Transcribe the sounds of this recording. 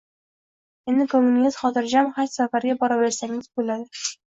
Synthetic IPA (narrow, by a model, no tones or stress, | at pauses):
end̪ɪkomːunist̪χɒt̪ɪɾd͡ʒamχat̪safaɾɡʲabɒɾabeɾsæŋɪzbolad̪ɪ